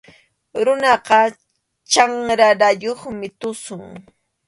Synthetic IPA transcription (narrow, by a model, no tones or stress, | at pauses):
ɾʊnɑqɑ | t͡ʃaŋɾaɾajoχmɪt̪ʊsʊŋ